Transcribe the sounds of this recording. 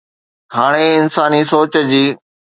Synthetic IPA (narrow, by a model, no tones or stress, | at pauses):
ɦaːɽ̃eɪnsaːnisoːt͡ɕd͡ʑiː